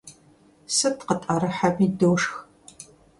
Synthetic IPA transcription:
sɨtqətʼɐɾɨħamiːdɨwʂx

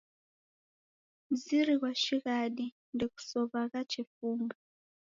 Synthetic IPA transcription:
m̩ziɾikwat͡ʃikaɗi | ndiku̥sɔβakat͡ʃifuːmbɛ

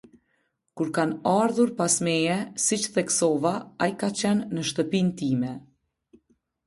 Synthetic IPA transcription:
kuɾkanaɾðuɾpasmɛjɛsit͡ʃθɛksɔvaajkat͡ɕɛnːəʃt̪əpint̪imɛ

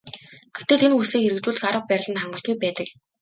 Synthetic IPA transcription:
ɡ̥et̪ĕːɮenxusiːŋxeɾɘ̆k̚t͡ɕuːɮɘ̆xaɾə̆q̚pæɾʲɪ̆ɮə̆nχaɴɢə̆ɬt̪ɡujpæːt̪ə̆k̚

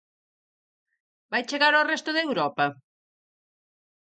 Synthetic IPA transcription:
bajt͡ʃeɣaɾorɛst̪ʊðewɾɔpɐ

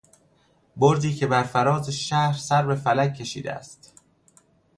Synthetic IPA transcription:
boɾd̪iːcʰe̞bæɾfæɾɒːzeʃæhɾsæɾbe̞fælækʰːe̞ʃḭːd̪ḛæ̰st̪

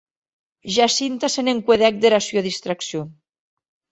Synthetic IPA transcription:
ʒasint̪aseneŋkweðɛk̚d̪eɾasjoðist̪ɾaksijo

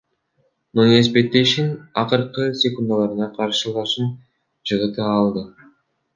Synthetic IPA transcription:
nonespe̞t̪ːeʃinɑqɯɾqɯsʲekund̪alˠɑɾɯnɑqʰɑɾʃɯlˠɑʃɯn | t͡ʃɯʁɯt̪ɯɑlˠd̪ɯ

